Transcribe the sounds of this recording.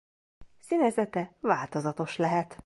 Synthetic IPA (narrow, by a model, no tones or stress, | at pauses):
sinɛzɛt̪ɛvaːlt̪o̞zɒt̪o̞ʃlɛɦɛt̪